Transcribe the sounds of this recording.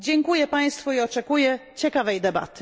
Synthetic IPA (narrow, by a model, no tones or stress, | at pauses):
d͡ʑɛŋkujɛpaj̃st̪fuiɔt͡ʂɛkujɛt͡ɕɛkavɛjd̪ɛba̰t̪ɘ̥